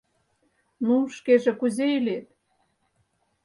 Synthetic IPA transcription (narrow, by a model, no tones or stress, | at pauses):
nuʃkeʒĕkuzeilet̪̚